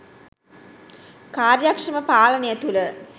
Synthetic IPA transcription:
kaːrjɐkʂɐməpaːlɐnejɐt̪ulə

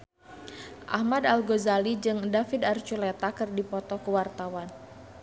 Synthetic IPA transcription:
ʔa̰hmadalɡozalid͡ʒɨŋdafid̪art͡ʃulɛt̪akɨrdipɔt̪ɔkəwart̪awan

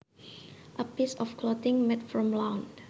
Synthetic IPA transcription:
ʔəpisɔfkʰlɔt̪ɪ̃ŋmɛtfɹɔ̃mlãwnd

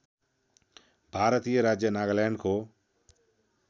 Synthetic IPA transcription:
bʱaːɾət̪ijəɾaːd͡ʒjənaːɡlaːɳɖkʰoː

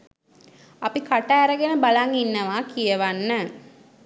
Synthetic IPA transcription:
apikaʈaːɾəɡenəbalaŋinːəʋaːkijəʋanːə

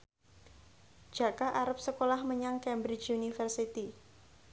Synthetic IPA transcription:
d͡ʒ̥a̤kaʔaɾəp̚səkolahməɲaŋkɛmbɾɪt͡ʃunifərsit̪i

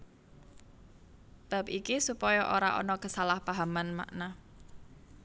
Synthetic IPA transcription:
b̥a̤p̚ikisupɔjɔʔoɾa̰ʔɔ̰nɔkəsalahpaɦamanma̰ʔna

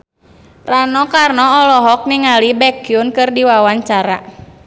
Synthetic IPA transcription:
ranɔkarnɔːlɔɦɔk̚niŋalibɛkiunkɨrdiwawaɲt͡ʃaɾa̰

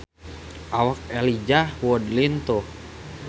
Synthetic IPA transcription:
ʔawak̚ɛlid͡ʒahwɔdlint̪uh

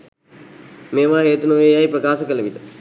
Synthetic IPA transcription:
mẽːʋãːɦeːt̪nũːeːjaːiːpɾəkaːskəleʋit̪

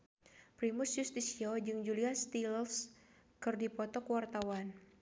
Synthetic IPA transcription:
pɾimʊsjust̪isiod͡ʒɨŋd͡ʒuliast̪ills | kɨrdipɔt̪ɔkwart̪awan

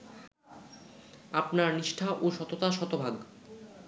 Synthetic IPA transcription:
apnaɾniʃʈʰaʔoʃɔt̪ot̪aʃɔt̪obʱaɡ

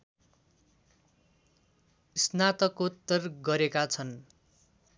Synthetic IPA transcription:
isnat̪ʌkot̪ːʌrɡʌɾekat͡sʰʌn

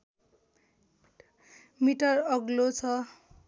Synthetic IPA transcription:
miʈʌrʌɡlot͡sʰʌ

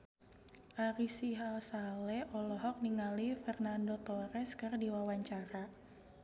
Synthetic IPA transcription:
ʔaɾisiɦalsalɛʔɔlɔɦɔk̚niŋalifɛrnandot̪ɔɾɛskɨrdiwawaɲt͡ʃaɾa

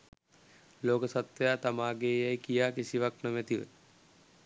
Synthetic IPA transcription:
loːkəsat̪ʋejaːt̪amaːɡeːjajkijaːkisiʋaknəmɛt̪iʋə̰

